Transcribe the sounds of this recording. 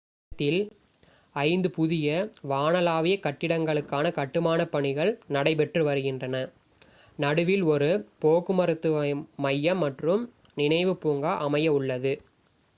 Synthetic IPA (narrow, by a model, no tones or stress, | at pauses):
t̪ːɪl | ɐɪnd̪ɯpʊðɪjɐʋaːnɐlaːʋɪjɐkɐʈːɪɽɐŋɡɐɭɯkːaːnɐkɐʈːɯmaːnɐpɐɳɪɣɐɭnɐɽɐɪpɛʈrɯʋɐɾɯɣɪndrɐnɐ | nɐɽɯʋɪlɔɾɯpoːkɯmɐɾɯt̪ːɯʋmɐjːɐmːɐʈrɯm | nɪnɐɪʋɯpuːŋɡaːʔɐmɐjɐʊɭːɐðɯ